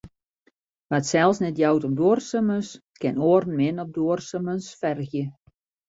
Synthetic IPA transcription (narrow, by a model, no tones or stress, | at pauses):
ʋatsɛlˠsnɛtjawtɔmdoːrsəməns | kɪnoərn̩mɪnɔp̚doərsəmənsfɛrɣjə